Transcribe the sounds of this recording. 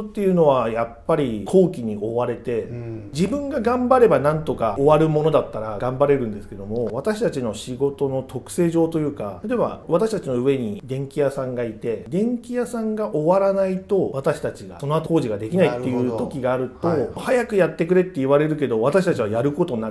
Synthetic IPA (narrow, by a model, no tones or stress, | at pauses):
t̪ːe̞jɯ̟ːno̞β̞ajapːaɾʲikʰo̞ːkʲiɲ̟io̞βaɾe̞t̪e̞d͡ʑibɯ̟̃ŋɡaɡãmbaɾe̞banãnt̪o̞kao̞βaɾɯ̟mo̞no̞d̪at̪ːaɾaɡãmbaɾe̞ɾɯ̟̃nd̪e̞sɨ̥ke̞d̪o̞mo̞β̞at̪aɕi̥t̪at͡ɕino̞ɕiɡo̞t̪o̞no̞t̪ʰo̞kɯ̥se̞ːʑo̞ːt̪o̞jɯ̟ːkad̪eβa̰βat̪aɕi̥t̪at͡ɕino̞ɯ̟βe̞ɲ̟id̪ẽ̞ŋkʲijasãŋɡait̪e̞d̪ẽ̞ŋkʲijasãŋɡaʔo̞βaɾanait̪o̞βat̪aɕi̥t̪at͡ɕiɡa̰so̞no̞at̪oo̞ːʑiɡad̪e̞kʲinait̪ːe̞jɯ̟ːt̪o̞kʲiɡaːɾɯ̟t̪o̞hajakɯ̟jat̪ːe̞kɯ̟ɾe̞t̪ːe̞iβaɾe̞ɾɯ̟k̬e̞d̪o̞βat̪aɕi̥t̪at͡ɕiβajaɾɯ̟ko̞t̪o̞na